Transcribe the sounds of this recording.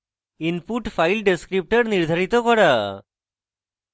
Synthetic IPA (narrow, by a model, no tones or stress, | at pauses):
inpuʈfʰajlɖeskɾip̚ʈəɾniɾd̪ʱaɾit̪ɔkɔɽa